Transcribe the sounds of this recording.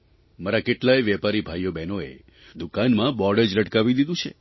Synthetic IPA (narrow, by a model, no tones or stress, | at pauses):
maɾakeʈlajʋjɛpaɾibʱajːobɛnoe | d̪ukanmãbɔɽəd͡ʒləʈkaʋid̪id̪ũt͡ʃʰḛ